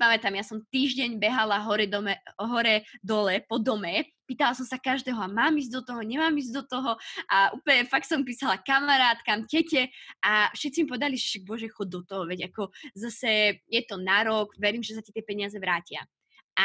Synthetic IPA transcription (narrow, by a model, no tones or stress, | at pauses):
pamɛt̪amjasɔmt̪iːʒɟɛɲbɛɦalaɦɔɾɛd̪ɔɛɦɔɾɛd̪ɔlɛpɔd̪ɔmɛpiːt̪alasɔmsakaʒd̪ɛːɦɔamaːmiz̬d̪ɔt̪ɔɦɔɲɛmaːmizd̪ɔt̪ɔɦɔʔaʔuːpəɲɛfak̚t̪sɔmpiːsalakamaɾaːt̪kamcɛcɛʔafʃɛt̪t͡simipɔʋɛd̪aliɛʃaɡ̚bɔʒɛxɔd̪ɔt̪ɔɦɔʋɛɟakɔzasɛjɛt̪ɔnaɾɔɡʋɛɾiːmʒɛsacat̪ɪɛpɛɲɪazɛʋɾaːcɪa̰ | ʔa